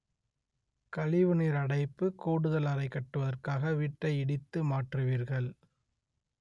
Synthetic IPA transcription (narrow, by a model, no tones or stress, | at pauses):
kɐɭɪʋɯniɾɐɽɐɪpːɯkoːɽɯðɐlɐɾɐɪkːɐʈːɯʋɐðɐrkaːɣɐʋiːʈːɐɪɪɽɪt̪ːɯmaːʈrɯʋiːɾɣɐɭ